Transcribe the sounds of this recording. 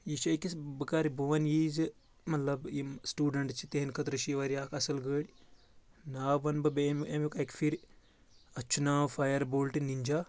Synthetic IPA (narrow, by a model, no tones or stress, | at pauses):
jit͡ʃɐjkisbɨkaːɾibuʋɐnjiːz | mɐt̪lɐbisʈuːɖɐɳʈt͡ʃʰit̪eɦinkɐt̪ɾɐʃiʋɐɾʲjaːkʰɐsɐlɡəːɽi | naːʋɐnbɐbememjukɐkfʰiɾʲ | ɐt͡ʃʰːunaːwfaːjɐɾboːlʈiniɲd͡ʒaː